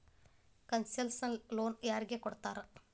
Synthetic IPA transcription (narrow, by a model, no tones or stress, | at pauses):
kɐnsɐlsɐnloːnjaːɾiɡekoɽt̪ːaːɾɐ